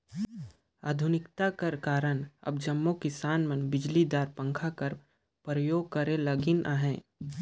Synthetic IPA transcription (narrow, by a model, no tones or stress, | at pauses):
a̰ːd̪ʱʊnɪkt̪akɐɾkaːɾənɐ̰bd͡ʒɐmːõkɪsaːnmənbɪd͡ʒlid̪aːɾpə̃ŋkʰakɐɾ | pɾəjoːɡ̚kɐɾẽlɐɡɪnʔaɦɛ̃ː